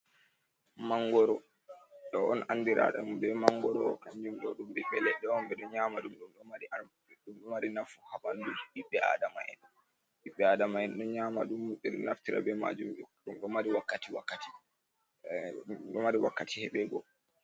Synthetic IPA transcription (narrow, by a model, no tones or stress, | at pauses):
maŋɡɔɾɔ | ɗɔɔnʔanːdiɾa̰ɗa̰mbɛmaŋɡɔɾɔkaɲd͡ʒumɗɔɗumɗɛɓɛlɛɗːɛɔmbɛɗɔɲamaɗumɗumɗɔmaɾia | ɗumɗɔmaɾinafuhaɓandud͡ʒiɗiɓːɛa̰dama̰ʔɛ̰nːɔ | ɗiɓːɛadamaɛnɗɔɲaːmaɗumːuɗɛɾna̰ftiɾa̰bɛma̰d͡ʒumɗumɗɔmaɾiwakːatiwakːati̥ | ɗɔmaɾiwakːatihɛɓɛɡɔ